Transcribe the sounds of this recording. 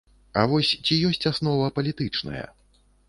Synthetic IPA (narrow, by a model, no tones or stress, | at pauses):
a̰vɔsʲt͡sʲijɔsʲt͡sʲasnɔvɐpɐlʲit̪ɨt͡ʂnɐ̰jɐ̰